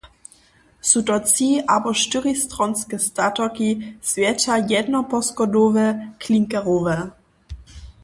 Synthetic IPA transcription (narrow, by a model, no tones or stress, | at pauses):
sutɔt͡siʔabɔʃtɪɾist̪ɾɔnskɛst̪atɔkisvjɛt͡ʃajɛdnɔpɔskɔdovɛkliŋkɛʁovɛ